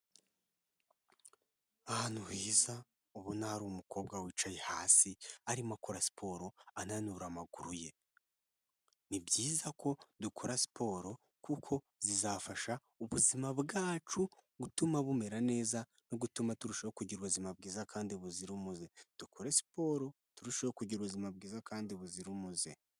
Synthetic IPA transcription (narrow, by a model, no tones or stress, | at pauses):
ahanuhiːza | oβunaɾumuko̞ːbɡawiːt͡ʃajehaːsiaɾimakoɾasi̥pʰo̞ɾo̞ananuɾamaɡuɾuje̞ | nibɟiːzakʰo̞dukʰoɾasi̥pʰo̞ːɾo̞ | kukʰo̞ | zizafaʃa | uβuzimaβɡaːt͡ʃuɡutumaβume̞ɾane̞ːza | noɡutumatuɾuʃajokuɟiɾuβuzimab̚ɡiːzakʰaːndiβuziɾumuze̞d̥ukʰoɾesi̥po̞ɾo̞ | tuɾuʃajokuɟiɾuβuzimab̚ɡiːzakaːndiβuziɾumuze̞